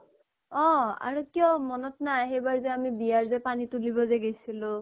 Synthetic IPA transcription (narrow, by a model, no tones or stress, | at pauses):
ɔ̃a̰ɹukijɔmɔnɔtnajxejbaɹzɛamibijaɹzɛpanitulibɔzɛɡejsilʊ̃